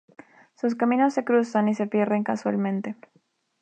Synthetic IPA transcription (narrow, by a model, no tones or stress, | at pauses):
sus̬kamĩno̞sːe̞kɾusanise̞fje̞rðe̞ŋkaswalmẽ̞nt̪e̞